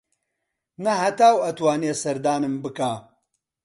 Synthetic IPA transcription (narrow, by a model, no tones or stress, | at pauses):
nɐɦɐt̪aːwɐt̪waːneːsɐɾd̪aːnɨmbɨkaː